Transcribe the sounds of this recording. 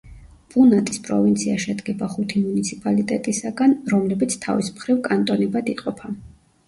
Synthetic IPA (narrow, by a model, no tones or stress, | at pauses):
b̥unat̪ʼispʼɾɔ̰vint̪sʰiaʃɛd̪ɡɛbaχut̪ʰimunit̪sʰipʼalit̪ʼɛt̪ʼisaɡanɾɔmlɛbit̪sʰt̪ʰa̰vḭsmχɾivkʼant̪ʼɔnɛbad̪iqʼɔpʰa